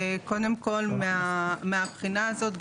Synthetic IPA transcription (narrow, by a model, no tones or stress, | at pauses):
ko̞d̪e̞mko̞lmeameapχinaːzo̞t̪ɡ